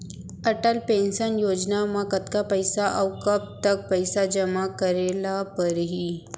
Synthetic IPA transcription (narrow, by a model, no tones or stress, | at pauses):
ɐʈəlpẽnsənjoːd͡ʒnamãkət̪kapəjsaʔɐwkɐb̚t̪ɐk̚pəjsad͡ʒɐmakəɾelapəɾɦi